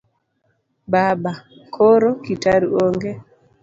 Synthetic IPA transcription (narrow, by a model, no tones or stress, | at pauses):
babakʰoɾokitaɾuoŋɡe